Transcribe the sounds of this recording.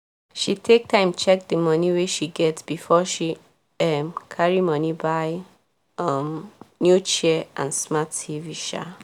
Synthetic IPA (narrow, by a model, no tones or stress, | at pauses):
ʃitʰek̚tʰãɪ̃mt͡ʃɛk̚dəmʌniweʃiɡɛtsb̥ifɔʃi | ʌmkʰaɹimʌnibaɪ | ʌmnjut͡ʃɛʔãnsmativiʃa̰